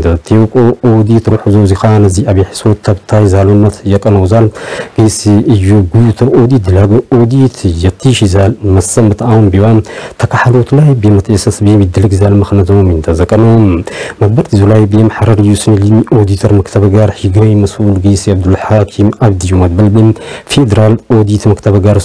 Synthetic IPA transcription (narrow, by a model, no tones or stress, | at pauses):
nd̪ʰɐt̪ʰikʼoʔod̪it̪ɾuħuzowzixanɐziaβjɛħi̥sot̪ʰːɐβt̪ʰajzalonːɐt̪ʰjɛkʼɐnɐwzalɡ̥ɐjsiʔɨjːuɡut̪ʰɐʔod̪it̪̚d̪ɨlaɡɐʔod̪it̪ʰjɛt̪ʰːiʃizalmɐsɐmbɨt̪ʰawunbiwamt̪ʰɐkʰaħalot̪lajbjemɐt̪ʰɐjsɐsbɨjemjɪd̪ɨlɨɡzalmɐxnɐzomjɨnt̪ʰɐzɐkʼːɐnommɐɡ̚bɐɾt̪ʰizulajbɨjɛmħaɾɐɾɨjːusɨnlimʔod̪it̪ʰɐɾmɐkt̪ʰɐβɡaɾħiɡɐjmɐsʔulɡɐjsiaβd̪ɨlħakʰimaβd̪ijumɐd̪̚bɐlbifed̪ɐɾalʔo̞d̪it̪mɐkt̪ʰɐβɡaɾ